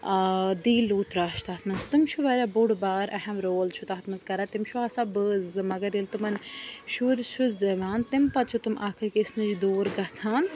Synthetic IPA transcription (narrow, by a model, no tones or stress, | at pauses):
d̪iːluːt̪ɾaːʃt̪aːt̪ʰnɐst̪umt͡ʃʰuʋɐɾʲabuɽbaːɾʔɐhɐmɾoːlt͡ʃʰut̪aɦɐt̪mɐskɐɾat̪imt͡ʃʰuasabəːzɨmɐɡɐɾilt̪umɐnʲʃuɾt͡ʃʰuzɐʋaːnt̪impɐt̪t͡ʃʰut̪umaːkʰɨɾkʲisnɨd͡ʒd̪oːɾɡɐsʰaːn